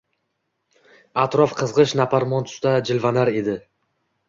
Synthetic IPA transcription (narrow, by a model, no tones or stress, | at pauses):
at̪ɾɒfqʰɨzʁɨʃnapʰaɾmɒnt̪ʰʊ̥st̪ad͡ʒɪlvanaɾe̞d̪ɪ